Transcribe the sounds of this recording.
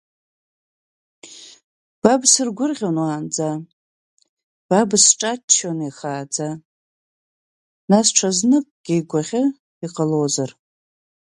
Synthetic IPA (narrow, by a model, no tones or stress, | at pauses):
b̥absɨrɡʷʊrʁʲonwaːnd͡za | b̥absʈ͡ʂʼat͡ʃʰːoneχaːd͡za | nasʈ͡ʂʰaznɨkʼɡ̥ʲejɡʷaʁʲɪ | iqʼalozar